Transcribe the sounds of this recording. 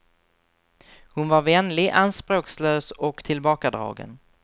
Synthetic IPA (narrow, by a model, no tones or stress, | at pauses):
hʊnvaɾvɛnlɪɡʔanspɾoːksløːsɔkt̪ʰɪlbɑːkad̪ɾɑ̰ːɡə̰n